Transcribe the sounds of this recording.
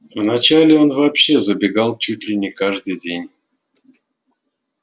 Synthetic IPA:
vnat͡ɕalʲɪo̞nvɐpɕːezəbʲɪɡalˠt͡ɕut̪ʲlʲɪnʲɪkaʐd̪ɨjdʲenʲ

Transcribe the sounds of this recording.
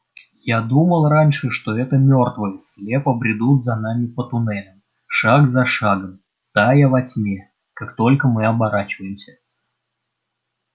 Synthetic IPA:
jad̪uməlˠranʲʂɨʂt̪o̞ɛt̪əmʲort̪vəjəsʲlʲe̞pəbɾʲɪd̪ut̪zɐnamʲɪpət̪ʊnɛlʲəm | ʂaɡzɐʂaɡəm | t̪ajəvɐtʲmʲe | kakt̪o̞lʲkəmɨɐbɐɾat͡ɕɪvəjɪmsʲə̥

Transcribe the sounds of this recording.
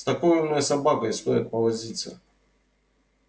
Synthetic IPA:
st̪ɐkojɪmnəjəsɐbakəst̪ojɪt̪̚pəvɐzʲit̪sə̰

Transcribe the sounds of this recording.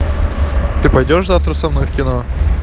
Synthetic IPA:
t̪ɨpɐjdʲoʂzaft̪ɾəsɐmnojfkʲɪno

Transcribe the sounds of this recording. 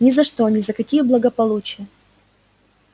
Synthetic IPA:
nʲɪzɐʂt̪onʲɪzɐkɐkʲijəblˠəɡəpɐlˠut͡ɕɪjə

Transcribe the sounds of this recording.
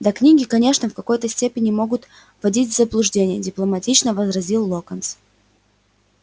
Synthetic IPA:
d̪ɐknʲiɡʲɪkɐnʲe̞ʂnəfkɐko̞jt̪əsʲtʲepʲɪnʲɪmo̞ɡʊt̪ | v̥ɐdʲitʲvʲzəblˠʊʐdʲenʲɪjədʲɪplˠəmɐtʲit͡ɕnəvəzɾɐzʲilˠːokəns

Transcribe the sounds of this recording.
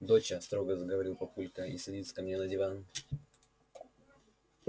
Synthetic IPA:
d̪ot͡ɕəst̪ɾo̞ɡəzəɡəvɐɾʲilˠpɐpulʲkəḭsʲɐdʲit̪skɐmnʲenədʲɪvan

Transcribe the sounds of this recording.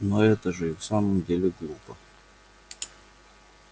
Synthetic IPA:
noɛt̪əʐɨifsaməmdʲelʲɪɡlˠupə

